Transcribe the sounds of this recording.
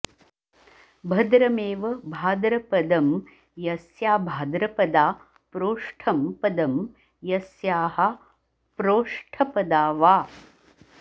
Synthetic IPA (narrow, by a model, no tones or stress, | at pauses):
bʱɐd̪ɾɐmeːʋɐbʱaːd̪ɾɐpɐd̪ɐm | jɐsjaːbʱaːd̪ɾɐpɐd̪aː | pɾoːʂʈʰɐmpɐd̪ɐm | jɐsjaːɦɐ | pɾoːʂʈʰɐpɐd̪aːʋaː